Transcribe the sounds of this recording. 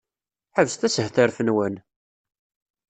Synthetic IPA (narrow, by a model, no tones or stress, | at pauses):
ħəvəst̪æsəhθəɾθənwən